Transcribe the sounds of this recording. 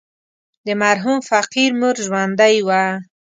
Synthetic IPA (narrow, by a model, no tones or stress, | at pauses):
d̪əmaɾɦumfaqiɾmuɾʒwand̪ajwa